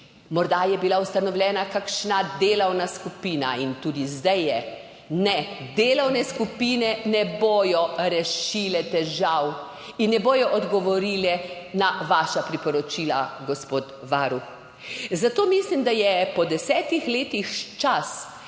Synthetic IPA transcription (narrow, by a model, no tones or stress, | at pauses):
mɔɾd̪ajɛbilaust̪anɔwlʲɛːnakakʃnad̪eːlɐwnaskupiːna̰int̪uːd̪izd̪ɛjːɛ | nɛd̪eːlɐwnɛskupiːnɛnɛboːjɔɾɛʃiːlɛt̪ɛʒaw | inːɛboːjɔʔɔd̪ɡɔʋɔɾiːlɛ | naʋaːʃapɾipɔɾɔt͡ʃiːlaɡɔspoːt̪ | ʋaːɾux | zat̪oːmislimd̪ajɛpɔd̪ɛsɛːt̪ixleːt̪ixt͡ʃas